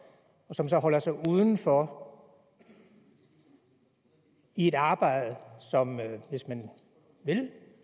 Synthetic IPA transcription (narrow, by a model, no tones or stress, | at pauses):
ɒ̽sɒ̽msɒ̽ɦɒ̽l̰ɐsɑ̈ɪuːð̞ˠn̩fɒ | ie̝dɑ̈ːb̥ɑ̈ɪ̰ð̩ˠəsɒ̽mʋe̝smæn | ʋe̝l